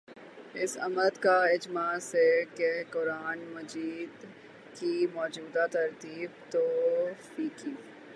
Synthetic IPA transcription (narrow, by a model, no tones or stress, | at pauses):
ɪsɐ̰məd̪kaɪd͡ʒmasekɛɦkʊɾaːnmɐd͡ʒiːd̪ | kimɔːd͡ʒuːd̪at̪ɐɾt̪iːbt̪oːfiːkiː